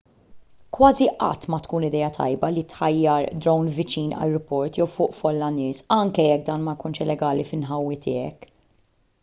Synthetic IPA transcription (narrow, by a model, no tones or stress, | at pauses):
kwɐːziʔɐ̰t̪ːmɐt̪kuːnɪd̪ɛːɐt̪ʰɐ̰jbɐlit̪ħɐjːɐɾd̪ɾɔwnvɪt͡ʃiːnɐ̰jɾɔpɔɾt̪jɛwfʊːʔfɔlːɐnɪːsɐŋkɛjɛk̚ːd̪ɐːnmɐjkuːnʃɪlɛɡɐːlifɪnħɐwːit̪ɪːɛk